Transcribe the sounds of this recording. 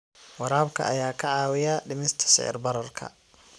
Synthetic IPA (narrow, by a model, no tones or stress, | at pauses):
wɑɾaːbkʰɐ̰ʔɐjaːkʰɐʕɑːwɪjaɖɪmɪst̪ʰɐ̥sɪ̰ʕɪ̰rbɐɾɐrkʰɐ̰